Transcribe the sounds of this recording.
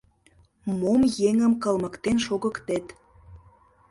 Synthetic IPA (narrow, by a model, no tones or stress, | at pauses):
momjeŋəmkəlmə̆kt̪enʃoɣəkt̪et̪